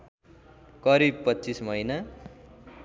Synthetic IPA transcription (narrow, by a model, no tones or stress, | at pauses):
kʌɾib̚pʌtːt͡sismʌjna